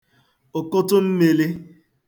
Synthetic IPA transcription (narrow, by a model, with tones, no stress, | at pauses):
ʊ˨kʊ˦tʊ˦m̩˦me˨le˦